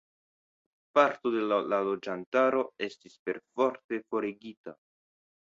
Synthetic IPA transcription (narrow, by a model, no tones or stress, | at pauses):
paɾto̞de̞llalo̞d͡ʒantaɾo̞e̞stispe̞ɾfo̞ɾte̞fo̞ɾeɡita̰